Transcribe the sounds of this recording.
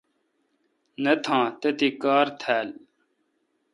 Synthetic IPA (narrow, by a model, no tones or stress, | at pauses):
nɐt̪ʰãːt̪et̪ikaːɾt̪ʰæːl